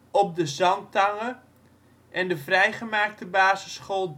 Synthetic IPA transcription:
ɔp̚dəzɑntaŋə | ʔɛndəvrɛjχəmaːk̚təbaːzəsχolˠ

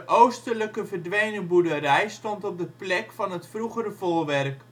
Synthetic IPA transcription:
ʔowstələkəvəɹdʋejnəbudəɾɛjstɔntɔp̚dəplɛkfɑnɦətfruχərəvolˠʋɛrk

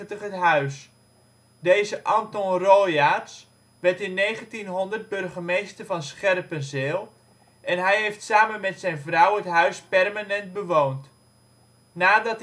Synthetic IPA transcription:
təχətɦœɥs | deːzəʔɑntɔnroːjas | ʋɛrtɪnːeːχəntinɦɔndərd̚bɵrχəmejstərvɑnsχɛrpənsɪːlˠ | ʔɛnɦɛjɦejftsaːmənmɛtsɛjnvrawətɦœɥspɛrmanɛnt̚bəʋownt | naːdɑt

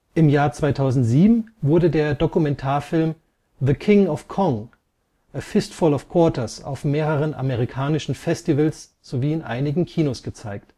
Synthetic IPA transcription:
ʔɪmjaːɐt͡sv̥aɪtʰaʊzn̩tz̥iːbm̩vʊɐdədeːɐdokumɛntʰaːɐfɪlm | ðəkʰɪŋɔfkʰɔŋ | ʔəfɪstfɔlɔfkʰw̥ɔɐtɐsa̰ʊfmeːʁəʁ̞ənʔa̰məʁ̞ikʰaːnɪʃn̩fɛstivəls | z̥oviːɪnʔa̰ɪnɪɡŋ̩kʰiːnosɡ̥ət͡saɪkt

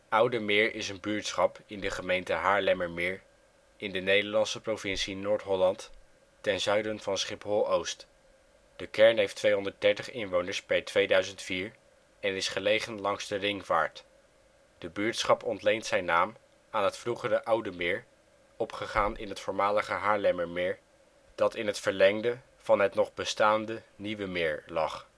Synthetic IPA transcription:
ʌwdəmɪːɹɪsənbyːɹtsχɑpɪndəχəmejntəɦaːɹlɛməɹmɪːɹ | ɪndənejdəɹlɑnsəprowvɪnsinoːɹtɦɔlɑnt | tɛnzœɥdənvɑnsχɪpɦolˠowst | d̥əkɛɹnɦejftʋejɦɔndəɹt̚dɛɹtəχɪnʋownəɹspɛɹtʋejdœɥzəntfiːɹ | ɛnɪsχəlejχənlɑŋzdərɪŋva̰ːɹt | d̥əbyːɹtsχɑpɔntlejntsɛjnaːm | aːnɦətfruχərəʔʌwdəmɪːɹ | ɔpχəχaːnʔɪ̰nɦətfʊːɹmaːləχəɦaːɹlɛməɹmɪːɹ | d̥ɑtɪnɦətfəɹlɛŋdə | v̥ɑnɦətnɔχbəstaːndəniʋəmɪːɹlɑχ

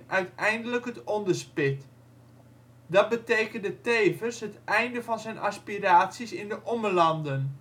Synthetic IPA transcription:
ʔœɥtɛjndələkɦətɔndərspɪt | dɑt̚bəteːkəndəteːvərsɦətʔɛjndəvɑnzɛjnʔaspiraːtsisɪndəʔɔməlɑndən

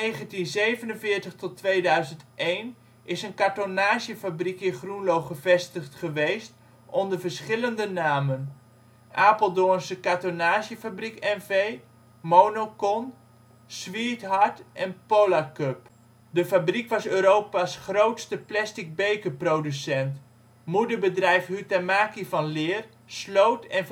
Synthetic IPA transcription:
nejχəntinzejvənənvɪːɹtəχtɔtʋejdœɥzəntʔejn | ʔɪsənkaɹtonaːʃəfabrikɪnχrunlowχəvɛstəχtχəʋejst | ʔɔndəɹvəɹsχɪləndənaːmən | ʔaːpəlˠdoənsəkatonaːʃjəfabrikɛnvej | mownokɔn | sʋitɦɑɹtʔɛnpowlakøp | dəfabrikʋɑsøːɾowpasχrowtstəplɛstɪk̚bejkəprodysɛnt | mudəbədrɛjfhytɛmaːkivɑnlɪːr | slowtɛn

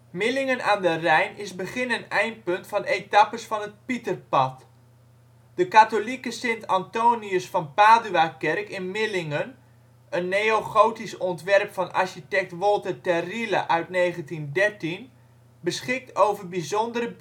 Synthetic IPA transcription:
mɪlɪŋənʔa̰ːndərɛjnɪsbəχɪnənɛjnt̚pɵntfɔnejtapəsfɔnət̚pitərpɑt | d̥əkatolikəsɪntantoːniəsfɑnpaːdyakɛrkɪnmɪlɪŋən | ənːejoχowtisɔntʋɛrpfɔnʔa̰ɹʃitɛk̚tʋɔlˠtətɛrila̰ʔœɥtnejχəntindɛrtin | bəsχɪk̚tʰowvərbizondəɾə

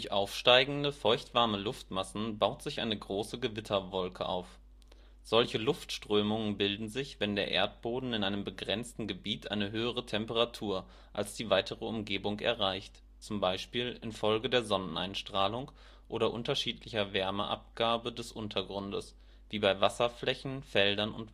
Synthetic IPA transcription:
d̥ʊçʔaʊfʃtaɪɡŋ̩dəfɔɪçtv̥aɐməlʊftmasn̩baʊtz̥ɪçʔaɪnəɡʁoːsəɡəvɪtʰɐvɔlkʰəʔa̰ʊf | z̥ɔlçəlʊftʃtʁ̥øːmʊŋənbɪldn̩zɪçv̥ɛndeːɐʔḛːɐt̚b̥oːdn̩ɪnʔaɪnəmbəɡʁɛnt͡stn̩ɡəbiːtʰʔa̰ɪnəɦøːəʁ̞ətʰɛmpəʁatʰuːɐ | ʔalsd̥iːvaɪtʰəʁəʊmɡeːbʊŋkɛ̰ɐʁaɪçt | t͡sʊmbaɪʃpiːlɪ̰nfɔlɡədeːɐzɔnənʔa̰ɪnʃtʁ̥aːlʊŋ | ʔoːɾɐʔʊntɐʃiːtlɪçɐvɛɐməʔa̰p̚ɡ̥aːbədɛsʔʊntʰɐɡʁʊndəs | v̥iːbaɪvasɐflɛçn̩fɛldɐnʊ̰nt

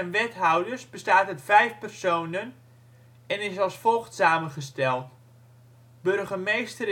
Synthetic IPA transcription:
ənʋɛtɦawdəsbəstaːtətfɛjfpərsownən | ɛnɪsɑlˠsfolˠxtsaːmənχəstɛlˠt | bɵrχəmejstər

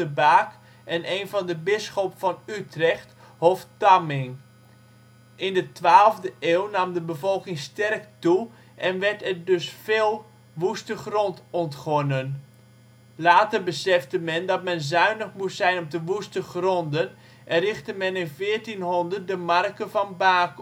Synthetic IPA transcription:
əbaːk | ɛnʔeːnvɑndəbɪsχopfɑnytrɛxt | hoftamɪŋ | ʔɪndətʋaːlˠvdəʔeːwnamdəbəvɔlˠkɪŋstɛrktu | ʔɛnʋɛɹtɛrdɵsfeːlˠ | ʋustəχrɔntɔntχɔnən | laːtərbəsɛftəmɛndɑtmɛnzœɥnəχmutsɛjnɔp̚təʋustəχrɔndən | ʔɛrɪxtəmɛnɪnvɪːəɹtinɦɔndər̚dəmɑrkəvɑnbaːk

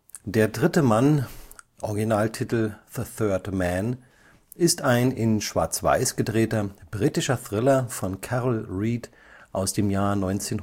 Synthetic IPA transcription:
d̥eːɐdʁɪtəmanʔɔɐɡinaːltʰitl̩ðəθœɐdmɛn | ɪstaɪnɪnʃv̥a̰ːɐt͡sv̥a̰ɪsɡ̥ədʁeːtɐb̥ʁiːtɪʃɐθʁ̥ɪlɐfɔnkʰaʁl̩ʁiːd | ʔaʊsd̥eːmjaːɐnɔʏnt͡seːn

